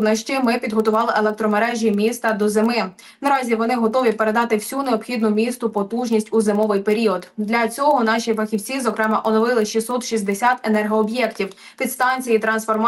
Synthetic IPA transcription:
nɐʃt͡ʃɪmɪpʲid̪ɦɔt̪ʊʋɑlˠɪʔelˠɛk̚t̪ɾɔmeɾɛʒʲimʲist̪ɐd̪ɔzemɪ | nɐɾɑzʲiʋɔnɪɦɔt̪ɔʋʲipe̞ɾe̞d̪ɑt̪ɪwsʲuneɔpxʲid̪nʊmʲist̪ʊpɔt̪uʒnʲisʲtʲuzɪmɔʋɪjpe̞ɾʲiɔd̪d̪lʲɐt͡sʲɔɦɔnɑʃʲifɐxʲiwt͡sʲizɔkɾɛmɛʔɔnɔʋɪlˠɪʃisːɔt̪ʃizʲd̪esʲat̪enɛrɦɔːbjɛktʲiw | pʲid̪st̪ɑnʲt͡sʲijit̪ɾɐnsfɔrm

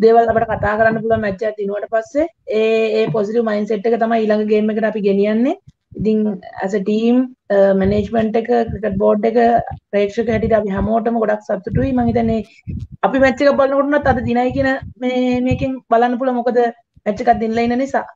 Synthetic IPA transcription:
d̪eːʋalapəʈəkat̪aːkəɾanːəp̬uluʋammɛt͡ʃːeat̪̚d̪inuʋaʈəpasːeeːeːposiʈiʋəmainseʈːekət̪amajiːlaŋɡəɡeːmːekəʈəapiɡenijanːe | it̪iŋæ̰s̬əʈiːmmeneːd͡ʒmeɳʈekəkɾikəʈ̚boːɖːekəpɾejekʂəkəɦɛʈ̬id̪əapiɦɛmoːʈəməɡoɽaksat̪ːuʈuʋimaŋit̪ɛnːe | ɐpimɛt͡ʃːekabalənəkoʈunːat̪ːad̪əd̪inajkiənəmeːmeːkiŋbalanːəp̬uluʋamokəd̪ə | mæt͡ʃːekat̪̚d̪inlɐinːənisa̰ː

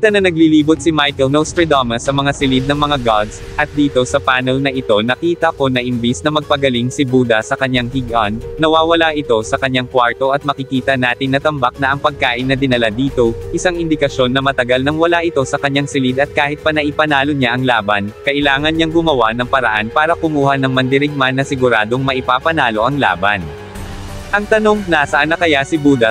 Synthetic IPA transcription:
t̪ɐnɐnɐɡliliːbot̪̚sɪmajkɛlnɐwst̪ɹɛd̪omɐsːɐmɐŋasɪlɪd̪nɐŋmɐŋaɡad̪sʔɐt̪̚d̪iːt̪o̞sɐpaːnɛlnɐʔɪt̪o̞nɐkiːt̪ɐko̞nɐʔɪmbisnɐmɐɡ̚pɐɡɐliŋsɪbuːd̪ɐsɐkɐɲːaŋhiɡʔanːɐwaːwɐlaʔɪt̪o̞sɐkɐɲːaŋkwaɹt̪o̞ʔɐt̪̚mɐkɪkiːt̪ɐnaːt̪ɪŋnɐt̪ɐmbak̚nɐʔɐŋpɐɡ̚kaːʔɪnːɐd̪ɪnɐlad̪iːt̪o̞ʔɪsaŋɪnd̪ɪkɐʃjo̞nːɐmɐt̪ɐɡalnɐŋwɐlaʔɪt̪o̞sɐkɐɲːaŋsɪlid̪ɐt̪̚kaːhɪt̪̚pɐnɐʔɪpɐnaːlo̞ɲaʔɐŋlaːbɐnkɐʔɪlaːŋɐnɲaŋɡʊmɐwanɐŋpɐɾɐʔanpaːɾɐkʊmuːhɐnɐŋmɐnd̪ɪɾɪɡ̚manːɐsɪɡʊɾaːd̪o̞ŋmɐʔɪpaːpɐnaːlo̞ʔɐŋla̰ːbɐn | ʔɐŋt̪ɐno̞ŋnaːsɐʔɐnɐkɐjasɪbuːd̪ɐ

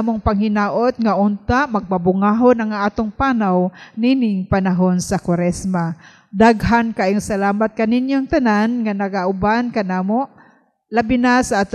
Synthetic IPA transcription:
moŋpaŋhɪnaːʔot̪̚ŋaʔʊnt̪aʔmɐɡ̚pabʊŋaːɦonaŋaːt̪oŋpaːnawninɪŋpanaɦonsakwaɾɛsma | d̪aɡɦankaʔɪŋsalaːmat̪̚kanɪnjoŋt̪ananŋanɐɡaʔʊbankanaːmoʔ | labɪnasaʔaːt̪

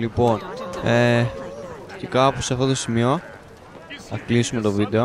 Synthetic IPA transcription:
lipo̞ne | ce̞kɐpuseɐft̪o̞t̪osimio̞ | θɐklisume̞t̪o̞vid̪e̞o̞

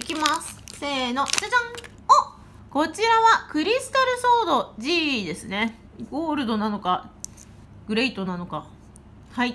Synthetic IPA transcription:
ikʲimasɨ̥se̞ːno̞ʔit͡ɕat͡ɕãŋ | o | ko̞t͡ɕiɾaβakɯ̟ɾʲisɨ̥t̪aɾɯ̟soːd̪o̞ʑiːd̪e̞sɨne̞ | ɡoːɾɯ̟d̪o̞nano̞ka | ɡɯ̟ɾe̞it̪o̞nano̞ka | hai

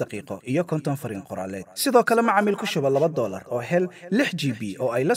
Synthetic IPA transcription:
d̪ɑqiːqɔʔijɞkʰɔnt̪ʰɔnfɐɾɪŋqʊɾa̰ːlɛːd̪̥̚sɪðɔːkʰɐlɛmɑʕɑmɪlkʰʊʃʊβɐlɐβɐd̪ɔːlɐ̰rɔːɦɛllɪħt͡ʃiːbiːʔɔːɛjlɐ

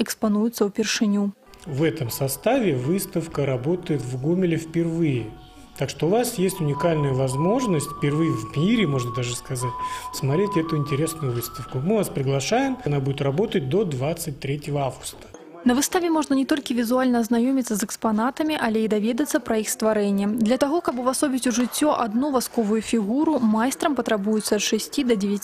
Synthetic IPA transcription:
ɪkspɐnujʊt̪səʊpʲɪrʂɨnʲu | vɛt̪əmsɐst̪avʲɪvɨst̪əfkəɾɐbo̞t̪əjɪt̪vɡumʲɪlʲɪfpʲɪrvɨjɪ | t̪akʂt̪o̞ʊvasjesʲtʲʊnʲɪkalʲnɨjəvɐzmo̞ʐnəsʲtʲfpʲɪrvɨjɪvmʲiɾʲɪmo̞ʐnəd̪aʐɨskɐzatʲsmɐt̪ɾʲetʲɛt̪ʊɪnʲtʲɪɾʲe̞snʊjʊvɨst̪əfkʊmɨvaspɾʲɪɡlˠɐʂajɪmnabudʲɪt̪rɐbo̞t̪ət̚ʲd̪o̞d̪vat̪sɨt̚ʲt̪ɾʲetʲɪvəavɡʊ̥st̪ə̥ | nɐvɨst̪avʲɪmoʐnənʲɪt̪o̞lʲkʲɪvʲɪzualʲnɐɐznɐjomʲɪt̪səsɨkspɐnat̪əmʲiʔɐlʲeid̪ɐvʲed̪ət̪səpɾɐixst̪vɐɾɛnʲɪjəd̪lʲɐt̪ɐɣokabʊvasobʲɪtʲuʐɨt͡sʲːoʔɐd̪nuvaskovʊjʊfʲiɣuɾʊmajst̪ɾɐmpɐt̪ɾɐbujɪt̪sːɐɐt̪ʂɛsʲtʲid̪ɐdʲɪvʲɛ

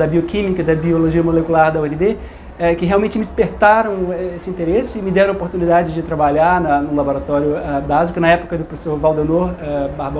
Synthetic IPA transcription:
d̪ɐbiokĩmikɐɪd̪ɐbioloʒiɐmolekulaɾd̪ɐʊɛnebe | ɛkɪɦealwmẽnt͡ʃɪmɪd͡ʒɪspeɾt̪aɾɐ̃w̃ɛesɪĩt̪eɾesɪɪmɪd̪ɛɾɐ̃opoɾt̪unid̪ad͡ʒɪd͡ʒɪt̪ɾabaʎaɾnɐnʊ̃laboɾat̪ɔɾjʊabazikʊnɐɛpo̥kɐd̪ʊpɾofe̥soɾvawd̪enoɾɛbahb

